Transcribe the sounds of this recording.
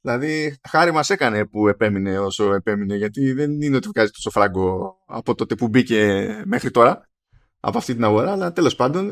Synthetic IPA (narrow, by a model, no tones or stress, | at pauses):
ðilɐðixɐɾimɐse̞kɐne̞pue̞pe̞mine̞o̞so̞e̞pe̞mine̞ʝɐt̪iðe̞nineo̞t̪ivɣɐzit̪o̞so̞fɾɐɡo̞ɐ̰po̞t̪o̞t̪e̞pubice̞me̞xɾit̪o̞ɾɐ | ɐ̰po̞ɐft̪int̪inɐɣo̞ɾɐːlɐt̪e̞lo̞spɐnd̪o̞n